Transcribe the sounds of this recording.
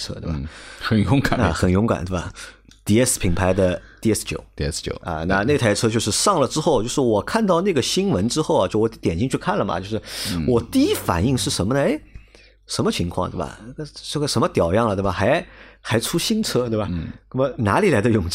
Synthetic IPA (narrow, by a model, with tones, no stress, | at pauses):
ʈ͡ʂʰɤ˥t̪we˥˩ɐ˨˩xə˨˩njʊ˧˥ŋka˨˩ə˧xə˨˩njʊ˧˥ŋka̰˨˩nt̪we˥˩bɐ˩ | t̪i˥˩ɛ˥spʰi˧˥ŋpʰa˧˥ɪd̪ə˧t̪i˥˧ɛ˥st͡ɕjo̰˨˩˦ʊ˧ɛ˥st͡ɕo̰˨˩˦ɐ̰˧na˥˧ne˥˩t̪ʰa˧˥ɪʈ͡ʂʰɤ˥t͡ɕjo˥˧ʊʂɻ̩˥˧ʂɑ˥˩ŋlə˩ʈ͡ʂɻ̩˥xo˥˩ʊt͡ɕjo˥˧ʊʂɻ̩˥˩wɔ˨˩kʰa˥˧nt̪ɑ˥˧ʊna˥˩ɡə˩ɕi˥nwə˧˥nʈ͡ʂɻ̩˥xo˥˩ʊɐ˨˩t͡ɕjo˥˩ʊwɔ˧˥t̪jɛ˨˩nɕʰi˥˧ŋ˥t͡ɕʰy˥˧kʰa˥˩nlə˩mɐ̰˩t͡ɕjo˥˧ʊʂɻ̩˥˩wɔ˨˩t̪i˥˩i˥fa̰˨˩ni˥˧ŋʂɻ̩˥˩ʂə˧˥nmə˧nə˧e˥ | ʂə˧˥nmə˧t͡ɕʰi˧˥ŋkʰwɑ˥˧ŋt̪e˥˩bɐ̰˨˩a˥˩ɡə˧ʈ͡ʂə˥˩ɡə˩ʂə˧˥nmə˧t̪jɑ˨˩ʊjɑ˥˩ŋlə˩˥˩ɐ˩xa˧˥ɪxa˧˥ɪʈ͡ʂʰu˥ɕi˥nʈ͡ʂʰɤ˥t̪we˥˩bɐ˩o˥˩mə˧˩na̰˧˥li˨˩la˧˥ɪd̪ə˧jʊ˨˩ŋt͡ɕ